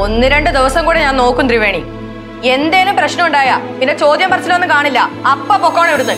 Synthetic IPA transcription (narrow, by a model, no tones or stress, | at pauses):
o̞nːɨɾe̞ɳɖɨd̪iʋɐsɐŋkuːɽeɲaːnno̞ːkːumt̪riʋe̞ːɳi | e̞nd̪eːlumprɐɕnɐmuɳɖaːjapinːe̞t͡ɕo̞ːd̪jɐmpɐrɐt͡ɕːilonːɨkaːɳilːɐɐpːɐpːokːoːɳeoɾunːɐ